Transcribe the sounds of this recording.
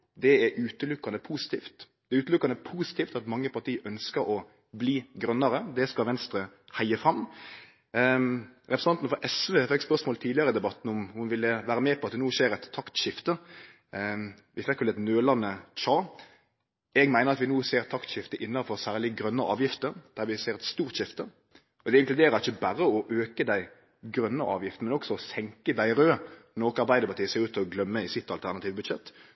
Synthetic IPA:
d̪ɛɛʔʉːt̪əlʉkːɑnəpʰuːsɪ̥t̪ʰiːft̪ | d̪̥ɛʉːt̪əlʉkːɑnəpʰuːsɪt̪iːft̪ɑt̪mɑŋːəpʰɑʁt̪ʰiːʔœnskəɾɔ | bliːɡɾœnːɑɾəd̪ɛskɑlʋɛnst̪ɾəhæɪəfɾɑm | ɾɛpɾsɑnt̪n̩fɔɾʔɛsʋeːfɛkːspœʁsmoːlt̪ʰiːlɪɑɾəd̪ɛbɑt̪ːn̩ɔmhʊnʋɪlːəʋæːɾəmɛːpʰɔɑt̪̚d̪ɛnuːʃeːɾɛt̪ʰːɑkt̪ʃɪft̪ə | ʋɪfɛkːʋɛlɛt̪nøːlɑnət͡ʃɑː | ɛɡmæɪəɾɑt̪ʋɪnuːseːɾt̪ʰːɑkt̪ɕɪft̪əʔɪnːɑfɔɾsæːʁlɪɡɾœnːəʔɑ̰ːʋjɪft̪əd̪̥æʁʋɪseːɾɛt̪st̪uːʁt̪ʃɪft̪ə | ɔd̪ɛɪŋklʉd̪eːɾəɾɪçəbæɾəɔʔøːkəd̪æɪ | ɡɾœnːəʔɑ̰ːʋjɪft̪n̩mɛnɔksɔɔsɛŋkəd̪æɪɾøːnoːkɑɾbæɪd̪əɾpɑʁt̪iːəseːɾʉːt̪ʰːlɔɡlœmːəɪsɪt̪ːɑlt̪ʰæʁnɑt̪iːʋbʉd̪ʃɛt̪ː

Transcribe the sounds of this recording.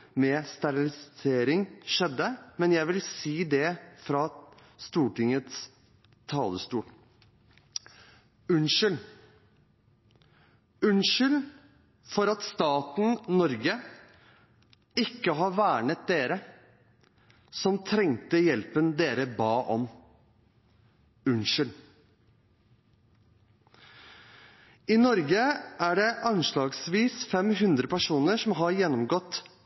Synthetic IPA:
mɛːst̪ɑɾɪlɪseːɾɪŋʃɛd̪ːəmɛnjæɪʋɪlsiːd̪ɛfɾɑst̪uːʈɪŋət̪s | t̪ʰɑːləst̪uːl | ʉnʃɪl | ʉnʃɪl | fɔɾɑt̪st̪ɑːt̪n̩nɔɾɡə | ɪkːəɦɑːɾʋæːɳət̪̚d̪eːɾə | sɔmt̪ʰɾɛŋt̪əjɛlpənd̪eːɾəbɑːʔɔm | ʉnʃɪl | iːnɔɾɡəʔæːɖɛʔɑnʃɭɑːɡsʋiːsfɛmɦʉnd̪ɾəpæʂuːnəʂɔmɦɑɾjɛnːɔmɡɔt̪ː

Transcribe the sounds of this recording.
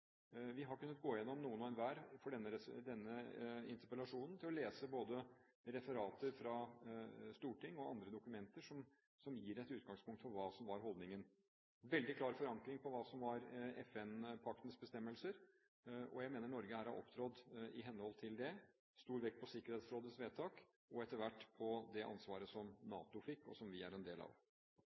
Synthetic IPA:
ʋɪɦɑɾkʉnːət̪̚ɡoːɪjɛnːɔmnuːənɔːɛnʋæːɾfɔɖɛnːəɾɛd̪ɛnːəɪ̰nt̪əɾpəlɑʂuːnn̩t̪ʰɪlɔleːsəboːd̪əɾɛfəɾɑːt̪əɾfɾɑ | st̪uːʈʰɪŋːɔɑ̰nd̪ɾəd̪ʊkʉmɛnt̪əʂɔm | sɔmjiːɾɛt̪ːʉːt̪̚ɡɑŋspʰʊŋkt̪fɔɾʋɑːsɔmʋɑɾɦɔld̪nɪŋən | ʋɛld̪ɪkʰlɑːɾfɔɾɑŋkɾɪŋpʰɔʋɑːsɔmʋɑɾɛfɛnpʰɑk̚t̪ənsbəst̪ɛmːəlsəɾ | ɔ̰jæɪmeːnəɳɔɾɡəhæːɾhɑ̰ɾʔɔ̰pt̪ʰɾɔd̪ɪɦɛnːəhɔlt̪ʰɪld̪ɛ | st̪uːɾʋɛk̚t̪pʰɔsɪkːəɾheːt̪sɾoːd̪əsʋeːt̪ʰɑːk | ɔɛt̪əɾʋæʈːpʰɔd̪ɛʔɑ̰nsʋɑːɾəsɔmnɑ̰ːt̪ʊfɪkːɔ̰sɔmʋɪæɾɛnd̪eːlɑ̰ʋ

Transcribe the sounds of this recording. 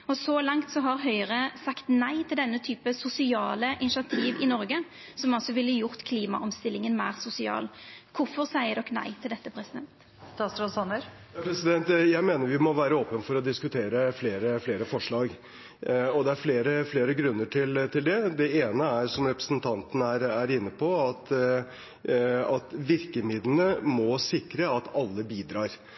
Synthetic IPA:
ɔsɔlɑŋt̪sɔɦɑɾɦœʏəɾəsɑkt̪næɪt̪ʰɪld̪ɛnːət̪ʰyːpəsʊsɪɑːləʔɪnɪʃɑt̪ʰiːʋɪnɔɾɡə | sɔmɔsɔʋɪlːəjʊɾt̪kʰliːmɑ̰ʔɔmst̪ɪlːɪŋənmæːʁsʊsɪɑ̰ːlkʰʊfɔʁsæɪəd̪ɔknæ̰ɪt̪ʰɪld̪ɛt̪ːəpʰɾɛsɪd̪ɛnt̪ | t̪ɑst̪ɾsɑnəɾ | ɑpʰɾɛsɪd̪ɛnt̪jæɪmeːnəɾʋɪmɔʋæːɾəoːpənfɔɾɔd̪ɪskʉt̪ʰeːɾəfleːɾəfleːɾəfɔʂɭɑːɡ | ɔd̪ɛæɾfleːɾəfleːɾəɡɾʉnːəʈʰɪlt̪ʰɪld̪ɛd̪ɛeːnəæɾʂɔmɾɛpɾə̥sənt̪ʰɑnt̪ənæɾæɾɪnːəpʰɔɑt̪ | ɑt̪ʋɪɾkəmɪd̪lənəmɔsɪkɾəɑt̪ɑlːəbiːd̪ɾɑːɾ

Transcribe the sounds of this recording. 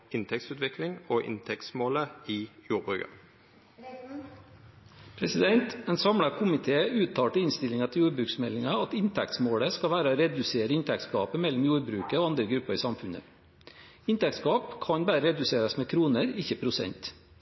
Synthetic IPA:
ɪnt̪ʰɛkt̪sʉːt̪ʋɪklɪŋoːʔɪ̰nt̪ʰɛk̪smoːləiːjuːʁbʏkɑ | pʰɾɛsɪd̪ɛnt̪ɛnsɑmɽɑkʰʊmɪt̪ʰeːʉːt̪ʰɑːʈəɪnst̪ɪlɪŋɑt̪ʰɪjuːɾbɾʉːksmɛlːɪŋɑɑt̪ɪnt̪ʰæ̰k̚t̪smoːɽəskɑʋæːɾəoːɾɛd̪ʉseːɾəɪnt̪ʰæk̚t̪skɑ̰ːpəmɛlːʊmjuːɾbɾʉːkəoːɑnd̪ɾəɡɾʉpːəɾɪsɑmfʉnə̰ | ɪnt̪ækt̪skɑːpkʰɑɲbæːɾəɾɛd̪ʉseːɾɑsmeːkʰɾuːnəɾɪçəpʰɾʊsɛ̰nt̪

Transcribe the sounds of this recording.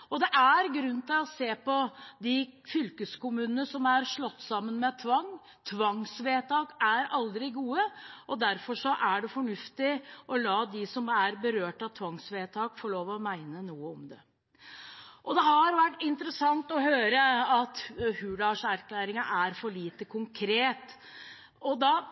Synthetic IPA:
ɔd̪ɛʔæɾɡɾʉnːt̪ɪlɔseːpɔd̪ɪfʏlkəskʊmʉːnənəsɔmæɾʂɭɔt̪ːsɑmːənmɛt̪ʰʋɑŋː | t̪ʰʋɑŋsʋeːt̪ʰɑːkæɾɑld̪ɾɪɡuːəɔd̪æɾfɔʂɔʔæɖɛfɔɳʉft̪ɪʔɔlɑːd̪ɪsɔmæɾbəɾøːʈɑt̪ʰʋɑŋsʋeːt̪ʰɑːkfɔɭoːʋəɔmæɪnənuːəɔmd̪ɛ | ʔɔd̪ɛɦɑɾʋæʈːɪnt̪əɾəsɑŋt̪ɔhøːɾəɑt̪hʉːlɑʂæɾkʰlæːɾɪŋəʔæɾfɔɭiːt̪əkʰʊŋkʰɾeːt̪ | ɔd̪ɑː

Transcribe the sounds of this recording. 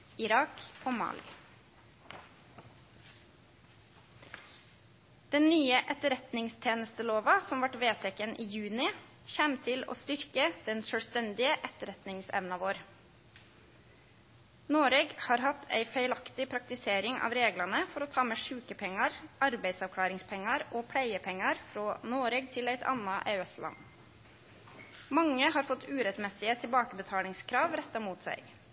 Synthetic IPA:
ɪɾɑːkoːmɑ̰ːlɪ̰ | d̪̥ɛnnyːəʔɛt̪əɾɛt̪nɪŋst̪ʰeːnəst̪əloːʋɑsɔmʋɑʈʋeːt̪ʰɛkənʔiːjʉːnɪ | çæːmt̪ʰɪlo̰ːst̪ʏɾkəd̪̥ɛnʃœːɽst̪ɛnd̪ɪəʔɛt̪əɾɛt̪nɪŋsɛ̰ʋnɑʋoːɾ | noːɾɛɡhɑːɾhɑt̪ʰːæ̰ɪfæɪlɑkt̪ɪpʰɾɑk̚t̪ɪseːɾɪŋʔɑ̰ːʋɾeːɡlɑnəfɔɾoːt̪ʰɑːmeːʂʉːkəpʰɛŋːɑɾɑɾbæɪsɑʋkʰlɑːɾɪŋspʰɛŋːɑɾoːpʰɽæɪəpʰɛŋːɑɾfɾoːnoːɾɛɡt̪ʰɪlæɪt̪ʰɑ̰nɑʔḛːɛslʔɑ̰n | mɑŋːəhɑːɾfɔt̪ːʉːɾɛt̪mɛsɪət̪ʰɪlbɑːkəbət̪ʰɑːlɪŋskʰɾɑːʋɾɛt̪ːɑmuːt̪sæ̰ɪ

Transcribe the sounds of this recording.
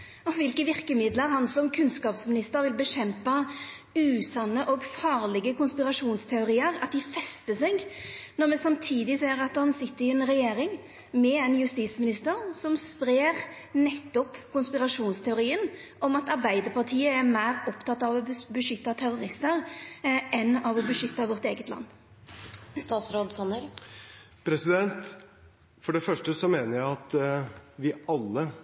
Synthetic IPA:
ɔʋɪlkəʋɪɾkəmɪd̪ləɾhɑnsɔmkʰʉnskɑːpsmɪnɪst̪əɾʋɪlbəɕɛmpɑ | ʉːsɑnːəʔɔɡfɑːʁlɪɡəkʊnspɪɾɑʂuːnst̪ʰɛʊɾiːəɾɑt̪̚d̪ɪfɛst̪əsɛɡnɔʁmɛsɑmt̪ʰiːd̪ɪseːɾɑt̪hɑnsɪt̪ːəɾɪɛnɾɛjeːɾɪŋ | mɛɛɪnjʉst̪iːsmɪnɪst̪əɾsɔmspɾeːʁ | nɛt̪ːɔpkʊnspɪʁɑʂuːnst̪ʰɛʊɾiːən | ɔmɑt̪ɑʁbæɪd̪əpʰɑʁt̪ʰiːəæɾmæɪʁɔpt̪ʰɑt̪ːɑʋɔbəʃʏt̪ːɑt̪ʰæɾʊɾɪst̪əɾʔɛnːɑʋɔbəʃʏt̪ːɑʋɔʁt̪eːɡət̪lɑ̰nː | st̪ɑːt̪sɾoːd̪sɔnəɾ | pʰɾɛsɪd̪ɛnt̪ | fɔɖɛfœʂʈəsɔmeːnəɾjæɪɑt̪ | ʋɪɑlːə

